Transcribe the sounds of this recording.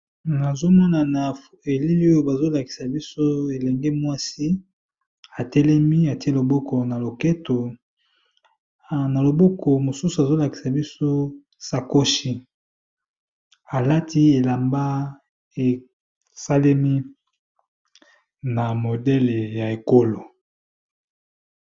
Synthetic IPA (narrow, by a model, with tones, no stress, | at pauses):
na˨zo˦mɔ˦na˨na˨fe˨li˦li˦o˦jo˨ba˨zo˦la˨ki̥˨sa˨bi˦so˦e˨lɛ˨ŋɡɛ˦mwa˦si˦ | a˨tɛ˦lɛ˦mi˦a˨ti˦lo˨bɔ˦ko˨na˨lo˨kɛ˦to˨ | na˨lo˨bɔ˦ko˨mo˨su˦su˨a˨zo˦la˨ki̥˨sa˨bi˦so˦ | sa˨ko˦ʃi˦ | a˨la˦ti˦e˨la˨mba˦ | e˨ | sa˦lɛ˦mi˦ | na˨mo˨dɛ˦le˨ja˨e˨ko˦lo˨